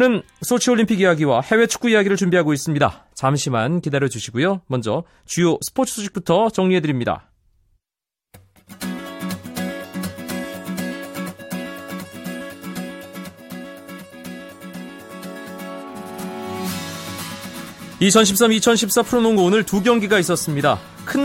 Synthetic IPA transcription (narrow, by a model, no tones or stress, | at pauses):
nɯnsʰot͡ɕʰioʎːimpʰiɡijaɡiwahe̞we̞t͡ɕʰu̥k͈uijaɡiɾɯɭt͡ɕumbiɦaɡois͈ɯmɲida̰ | t͡ɕamɕʰimankidaɾjʌd͡ʑuɕʰiɡujomʌnd͡ʑʌ | t͡ɕujosʰɯ̥pʰotʰɯ̥s͈uɕʰi̥k̚p͈utʰʌt͡ɕʌŋɲiɦe̞dɯɾimɲida̰ | it͡ɕʰʌnɕʰip̚s͈amit͡ɕʰʌnɕʰip̚s͈apʰɯɾonoŋonɯɭtuɡjʌŋɡiɡais͈ʌs͈ɯmɲida | kʰɯn